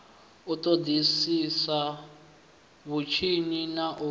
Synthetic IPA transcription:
utʼodisisa | βut͡ʃʰininaʔu

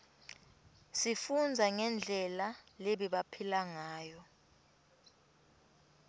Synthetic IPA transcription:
sifund͡zʱaŋɛnd͡ɮʱɛlaleɓiɓapʰilaŋaːjɔ

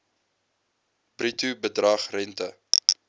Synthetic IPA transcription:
b̥ritubədrɐχrɛntə

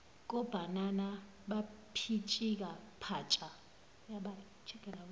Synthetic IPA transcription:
k̬ʼɔb̥ʱanana | ɓapʰit͡ʃʼik̬ʼapʰat͡ʃʼa | jaɓa | t͡ʃʰʼiɡ̥ʱɛla

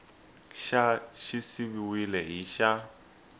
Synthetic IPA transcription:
ʃaʃɪsibiwilɛɦiʃa

